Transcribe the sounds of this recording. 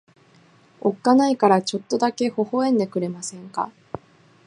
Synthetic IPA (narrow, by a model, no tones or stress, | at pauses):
o̞kːanaikaɾat͡ɕo̞t̪ːo̞d̪ake̞ho̞ho̞ẽ̞nd̪e̞kɯ̟ɾe̞masẽ̞ŋka̰